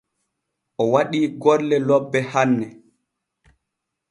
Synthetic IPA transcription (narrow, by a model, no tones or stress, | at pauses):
ʔɔwaɗiːɡɔlːɛlɔbːɛhanːɛ